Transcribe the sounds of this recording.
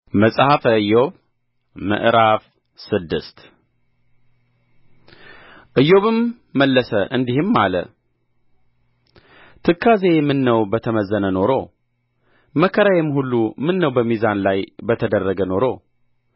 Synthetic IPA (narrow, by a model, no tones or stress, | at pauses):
məsʼhafəɨjːoβ | mə̰ʔɾaf | sɨd̪ːɨst̪ | ʔɨjːo̞βɨmː | əlːəsəʔɨnd̪ihɨmːa̰lə̰ | t̪ʰɨkʰːaze̞mɨnːəwbət̪ʰəməzːənəno̞ɾo̞ | məkʰːəɾajɛmhulːumɨnːəwbəmizanlajbət̪ʰəd̪ərːəɡəno̞ɾo̞